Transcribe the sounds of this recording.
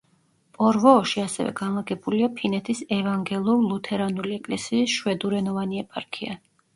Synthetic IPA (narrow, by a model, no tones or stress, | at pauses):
pʼɔɾvɔːʃiasɛ̰vɛ̰ɡanlˠaɡɛbuliapʰinɛt̪ʰisɛvaŋɡɛlˠuɾlˠut̪ʰɛɾanuliɛkʼlɛsiːsʃwɛd̪uɾɛnɔvaniɛpʼaɾkʰia̰